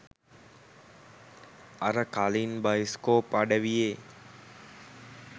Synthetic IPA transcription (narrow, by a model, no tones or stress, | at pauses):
ɐɾəkalinbajskoːpaɖəʋijeː